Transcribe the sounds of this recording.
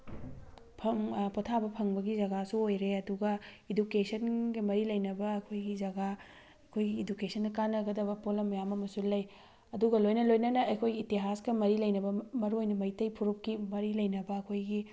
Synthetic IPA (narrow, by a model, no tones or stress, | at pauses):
pʰɐŋpotʰabɐpʰɐŋbɐɡizɐɡasuojɾeɐduɡɐidukesʰɐnɡɐmɐɾilɐjnɐbɐːkʰojɡizɐɡa | ɐkʰojɡiːdukesʰɐndɐkanɐɡɐdɐbɐpolɐmːɐjamɐmɐsulːɐj | ɐduɡɐlojnɐlojnɐnɐɐjkʰojɡiːtiɦasɡɐmɐɾilɐjnɐbɐmɐɾuojnɐmɐjtɐjpʰuɾup̚kimɐɾilɐjnɐbɐːkʰojɡi